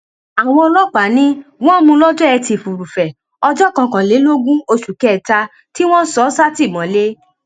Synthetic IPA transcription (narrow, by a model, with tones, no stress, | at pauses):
a˨w̃ɔ̃˧ɔ˧lɔ˦k͡pa˨˦nĩ˦w̃ɔ̃˦mũ˧lɔ˦d͡ʒɔ˦ɛ˧ti˧˨fu˨ɾu˨fɛ˨ | ɔ˧d͡ʒɔ˦˨kã˧kã˨le˨˦lo˦ɡũ˦o˧ʃu˨kɛ˨˦˨ta˧ | ti˦w̃ɔ̃˦sɔ˨˦sa˦ti˦˨mɔ̃˨˦le˦